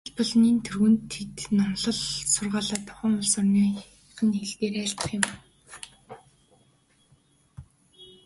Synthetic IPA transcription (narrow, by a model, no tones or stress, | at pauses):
ɮpɔɮniːnt̪ʰɵrɣɘ̆nt̪ʰːet̪namɮɞ̆ɮsʊrʁaːɮaːt̪ʰːʊ̥χə̆ŋʊɮsɔrniː | χə̆nxeɮt̪eːɾæːr̥ʲt̪ə̆χjʊ̆m